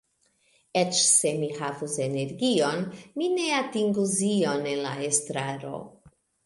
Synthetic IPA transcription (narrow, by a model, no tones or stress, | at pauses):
et͡ʃse̞mihavuse̞ne̞ɾɡio̞nmine̞atiŋɡuzio̞ne̞nla̰estɾaɾo̞̰